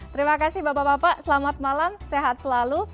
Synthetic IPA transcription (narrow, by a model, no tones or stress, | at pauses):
t̪əɾimakasɪhbapabapaʔsəlamat̪̚malamseɦat̪̚səlalu